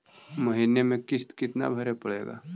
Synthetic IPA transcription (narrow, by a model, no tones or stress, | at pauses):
mɐɦiːnemẽkɪst̪kɪt̪na̰bʱɐɾepɐɽḛːɡa̰ː